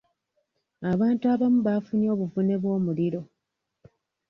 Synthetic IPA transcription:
aβaːntuaβamuβafunio̞ːβuvune̞βwo̞ːmuliɾo̞

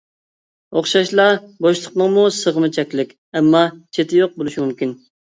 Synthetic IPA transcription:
oχʃɑʃlˠɑboʃlˠə̥qnəŋmusəʁəmɨt͡ʃʰɛkʲlɪkʲ | ɛmːɑt͡ʃʰet̪ʰɪjoq̚bolˠuʃimumkʲin

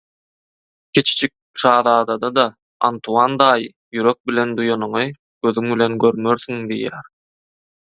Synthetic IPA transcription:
kʲʰet͡ʃi̥t͡ʃik̚ʃɑːðɑːd̪ɑd̪ɑd̪ɑ | ɑ̰nt̪ʰuɑnd̪ɑːj | jyɾø̞k̚bilʲe̞nd̪ujonuɴɯ | ɡ̥ø̞ðyŋbilʲe̞nɡø̞ɾmø̞ɾθyŋd̪ḭjæ̰ːɾ

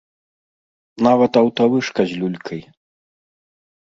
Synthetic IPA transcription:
navɐt̪ɐwt̪ɐvɨʂkɐzʲlʲulʲkʰɐj

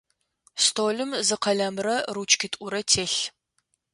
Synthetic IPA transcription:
stʰoːlɨmzɨqɐɮɐmrɐrut͡ʃʰʼkʰʲɪtʼʊɾɐtʰeːɬ

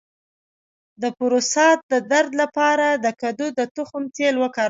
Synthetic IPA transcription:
d̪əpʊɾosɑt̪̚d̪əd̪aɾd̪lapɑɾad̪əkad̪ud̪ət̪ʊxʊmt̪elwəkɑɾ

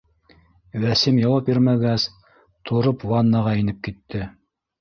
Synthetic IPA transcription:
wæsimjɑwɑpiɾmæɡæs | t̪ʰoɾopwɑnːɑʁɑinɘp̚kit̪ːɘ

